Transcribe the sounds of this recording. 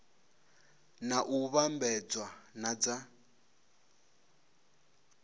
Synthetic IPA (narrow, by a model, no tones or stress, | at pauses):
naʔuβambɛd͡zwanad͡za